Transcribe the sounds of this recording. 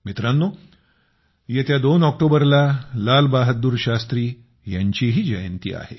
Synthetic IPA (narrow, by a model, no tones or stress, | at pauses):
mit̪ɾanːo | jet̪jad̪onɔk̚ʈobəɾlalalbaɦət̪̚d̪uɾɕast̪ɾiː | jaɲt͡ɕiɦiːd͡ʑəjənt̪ḭa̰hḛ